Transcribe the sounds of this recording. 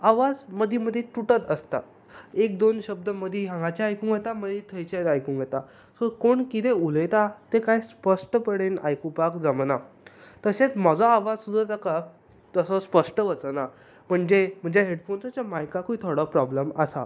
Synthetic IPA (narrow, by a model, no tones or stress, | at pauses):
aʋad͡zməd̪ʱiməd̪ʱːeʈuʈət̪əst̪a̰ | ekd̪onɕəb̚d̪əməd̪ʱiɦãŋɡat͡ɕjaːjkũŋɡjet̪aməd̪it̪ʰəjt͡ɕet̪ajkũŋɡjet̪a | sokoɳkit̪euləjt̪at̪ekajspəʂʈəpəɽena̰jkupakd͡zaməna | t̪əset͡smad͡zɔaʋad͡zsud̪ʱat̪aka | t̪əsɔspəʂʈəʋət͡səna | m̤əɳd͡zem̤əɳd͡zeɦeɽfonsat͡ɕjamajkakuit̪ʰoɽɔpɾɔbləməsa̰